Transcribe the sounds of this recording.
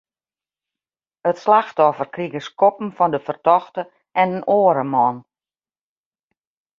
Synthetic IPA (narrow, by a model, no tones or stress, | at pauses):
ətslaxtɔfərkriɣəskɔpn̩fɔndəfərtɔxtə | ʔɛnənoːəɾəmɔn